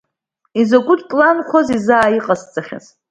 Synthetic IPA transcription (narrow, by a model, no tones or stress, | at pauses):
izoɡʷʊdʰʼpʼlanχʷʰozizaːjiqʼast͡sʼaχʲa̰z